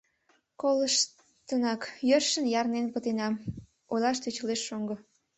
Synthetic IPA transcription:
koləʃ | t̪ənɑkjørʃənjɑrnenpət̪enɑm | ojlɑʃt̪øt͡ɕəleʃːoŋɡo

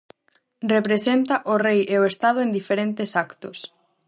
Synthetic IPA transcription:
repɾesent̪aʔʊrejeoest̪að̞ʊend̪ifeɾent̪esakt̪ʊs

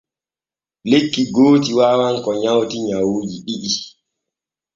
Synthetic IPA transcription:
lekːiɡoːtiwaːwaŋkɔɲawtiɲawoːd͡ʒiɗiɗi

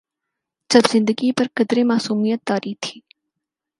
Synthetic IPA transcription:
d͡ʒɐbzɪ̃nd̪əɡipɐɾkɐd̪ɾemaːsuːmijət̪ːaːɾiːt̪ʰi̥ː

